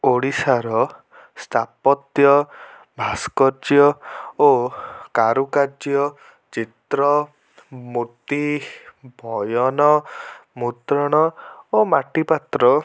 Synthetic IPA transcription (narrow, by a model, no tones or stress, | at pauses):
oɽisaɾɔ | st̪ʰapɔt̪jɔ | bʱaskɔd͡ʒjɔokaɾukad͡ʒjɔ | t͡ʃit̪ɾɔ | mut̪i | bʱɔjɔnɔmut̪ɾɔɽ̃ɔomaʈipat̪ɾɔ